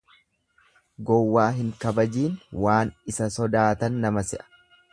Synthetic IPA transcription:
ɡɔwːaːɦɪŋkɐbɐd͡ʒiːnwaːnɪsɐsɔd̪aːt̪ɐnːɐmɐsɪʔɐ̥

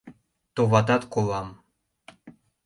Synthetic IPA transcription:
t̪oβɑt̪ɑt̪kolˠɑm

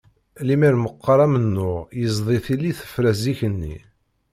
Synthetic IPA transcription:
limiɾməqːɑɾˤæmənːʊʁjəzˤðˤiθilːiθə̥fɾæziçənːḭ

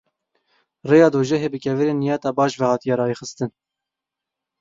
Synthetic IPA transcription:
reːjɑːd̪oːʒɛɦeːbɨkʲɛvɨɾeːnːijɑːt̪ɑːbɑːʃvɛhɑːt̪ijɑːɾɑːjeːxɨst̪ɨn

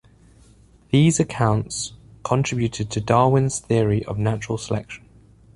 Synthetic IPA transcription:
ðiːzəkʰãʊ̃ntskʰə̃ntʰɹ̥ɪbjʉtʰɪd̚tʰədɑːwɪ̃nz̥θɪəɹiʔə̰vnat͡ʃəɹəlˠsəlɛ̰kʃə̃n

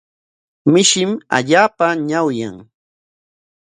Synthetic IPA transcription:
mɪʃɪma̰ʎaːpaɲawja̰ŋ

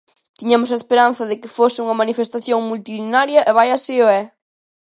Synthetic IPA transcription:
t̪iɲamʊs̬ɐespeɾan̟θɐðɪkɪfosɪuŋɐmanifest̪aθjoŋmult̪iinaɾjɐʔeβajaseoɛ

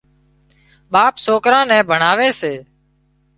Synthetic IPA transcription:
ɓaːpsoːkɾãːnɛ̃ːbʱəɳaːʋeːseː

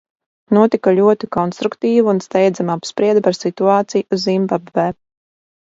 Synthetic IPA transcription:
nuɔt̪ikaʎʲuɔt̪ikɔnst̪ɾukt̪iːvuunst̪ɛjd̪zamapspɾiɛd̪paɾsit̪uaːt̪sijzːimbabvɛː

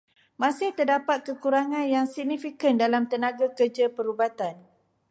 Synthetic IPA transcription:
mãsɪht̪ərdapat̪̚kəkuɾaŋãnjaŋsiɡ̚nifikəndalamt̪ənãɡakərd͡ʒapəɾubat̪an

